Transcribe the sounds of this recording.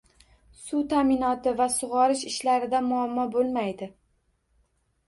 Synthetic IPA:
sut̪ʰamɪnɒt̪ɪvasʊʁɒɾɪʃɪʃlaɾɪd̪amʊamːɒbolˠmajd̪ɪ

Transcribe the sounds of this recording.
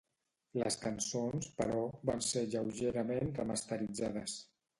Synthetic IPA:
lə̰skənsonspə̰ɾɔβanseʎəwʒeɾəmenrəməst̪əɾid͡zaðəs

